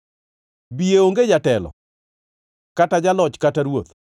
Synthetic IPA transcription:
bijeoŋɡed͡ʒatɛlɔ̰ | katad͡ʒalɔt͡ʃkataɾwot̪

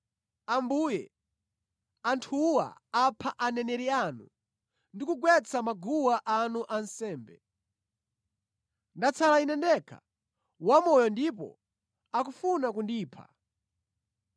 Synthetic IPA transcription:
ambuːjɛ | antʰuwa̰apʰaʔanɛnɛɾianṵ | ndikuɡwɛt͡sʰamaɡuwaʔanuʔansɛːmbɛ | ndat͡sʰalainɛndɛkʰa̰ | wamɔjɔndipɔ̰ | akufunakundiːpʰa̰

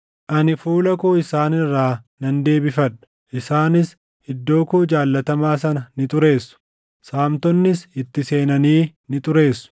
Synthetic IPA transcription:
ʔɐnɪfuːlɐkoːɪsaːnɪrːaːnɐnd̪e̞ːbɪfɐᶑɐ̥ | ʔɪsaːnɪs | hɪd̪ːo̞ːkoːd͡ʒaːlːɐt̪ɐmaːs̬ɐnɐnɪt̪ʼʊɾe̞ːsːʊ̥ | saːmt̪ɔnːɪsɪt̪ːɪse̞ːnɐniːnɪt̪ʼʊɾe̞ːsːʊ̥

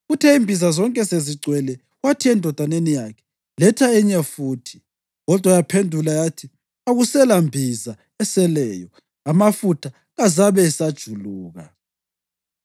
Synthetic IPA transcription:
ɣutʰeimbʱizazɔŋkʼɛseziɡ͡ǀʱwɛlɛ | watʰiɛndʱɔd̥ʱanenijakʰɛ̥ | lɛtʰaɛɲafuːtʰi̥ | ɣɔd̥ʱwajapʰendʱulajatʰi | aɣusɛlambʱiza | ɛsɛlɛːjɔ | amafutʰa | ɣazaβɛsad̥ʒ̥ʱuluːɣa̰

